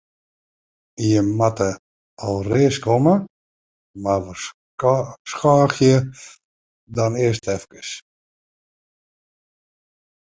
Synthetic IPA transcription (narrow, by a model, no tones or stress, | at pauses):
ijəmatə | ɔlˠreːəskomə | maʋɔ | skaːxjə | dɔnɪəstʰɛfkə̥s